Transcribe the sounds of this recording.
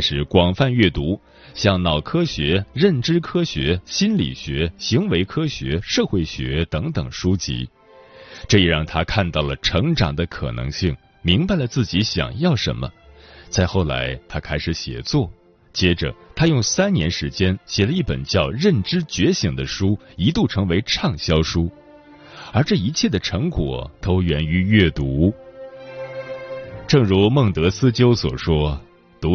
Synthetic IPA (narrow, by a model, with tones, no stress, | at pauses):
ʂɻ̩˧˩kwɑ˨˩ŋfa˥˧nɥɛ˥˩t̪u˧˥ | ɕjɑ˥˩ŋnɑ˨˩ʊkʰɤ˥ɕɥɛ˧˥ɻə˥˩nʈ͡ʂɻ̩˥kʰɤ˥ɕɥɛ˧˥ɕi˥nlḭ˨˩ɕɥɛ˧˥ɕi˧˥ŋwe˧˥ɪkʰɤ˥ɕɥɛ̰˧˥ʂɤ˥˧xwe˥˩ɪɕɥɛ̰˧˥t̪ɤ˧˥ŋt̪ɤ˨˩ŋʂu˥t͡ɕḭ˧˥ | ʈ͡ʂɤ˥˧i˥˩ɻɑ˥˩ŋt̪ʰa˥kʰa˥˧nt̪ɑ˥˩ʊlə˩ʈ͡ʂʰɤ˧˥ŋʈ͡ʂɑ˨˩ŋd̪ə˦kʰɤ̰˨˩nɤ̰˧˥ŋɕi˥˩ŋ | mi˧˥ŋpa˨˧ɪlə˩t͡sɹ̩˥˩t͡ɕi˧˥ɕjɑ̰˨˩ŋjɑ˥˩ʊʂə̰˧˥nmə̰˧t͡sa˥˧ɪxo˥˩ʊla̰˧˥ɪt̪ʰa˥kʰa˥ɪʂɻ̩˧˥ɕjɛ̰˨˩t͡swɔ˥˩ | t͡ɕjɛ˥ʈ͡ʂə̰˨˩t̪ʰa˥jʊ˥˩ŋsa˥nnjɛ˧˥nʂɻ̩˧˥t͡ɕjɛ˥nɕjɛ˨˩lə˦i˥˩pə̰˨˩nt͡ɕjɑ˥˧ʊɻə˥˩nʈ͡ʂɻ̩˥t͡ɕɥɛ˧˥ɕi˨˥˩ŋd̪ə˦ʂu˥i˧˥t̪u˥˩ʈ͡ʂʰɤ˧˥ŋwe˧˥ɪʈ͡ʂʰɑ˥˩ŋɕjɑ˥ʊʂu˥ | ə˞˧˥ʈ͡ʂɤ˥˩i˧˥t͡ɕʰjɛ˥˩d̪ə˩ʈ͡ʂʰɤ˧˥ŋkwɔ̰˨˩t̪o˥ʊɥɛ˧˥ny˧˥ɥɛ˥˩t̪u˧˥ | ʈ͡ʂɤ˥˩ŋɻu˧˥mɤ˥˩ŋt̪ɤ˧˥sɹ̩˥t͡ɕjo˥ʊswɔ̰˨˩ʂwɔ˥ | t̪u˧˥